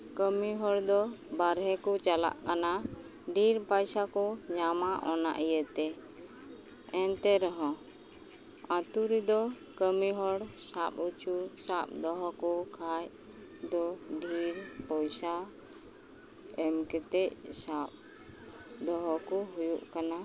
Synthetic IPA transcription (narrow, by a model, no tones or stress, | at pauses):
kəmiɦɔɽd̪ɔbaɾɦɛkɔt͡ʃala̰ʔkana | ɖiɾpajsakɔɲamaʔɔna̰ʔijət̪ɛ | ɛnt̪ɛɾɔɦɔ̃ | ãt̪uɾid̪ɔ | kəmiɦɔɽsap̚ut͡ʃusap̚d̪ɔɦɔkɔkʰaj | d̪ɔɖʱiɾpɔjsa | ɛmkɛt̪ɛcsap̚ | d̪ɔɦɔkɔɦujuʔkana